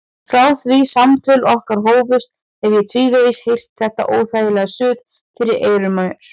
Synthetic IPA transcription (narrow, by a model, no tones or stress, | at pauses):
fɾawθvisamt̪ʰœlɔhkaɾ̥ɦoːwvʏst̪ | hɛvjɛt̪ʰviːveːjɪshejr̥t̪θɛht̪a̰ʔoːwθaːjɪlɛɣasʏːð | fɪɾɪɾeːjɾʏmaɾ̥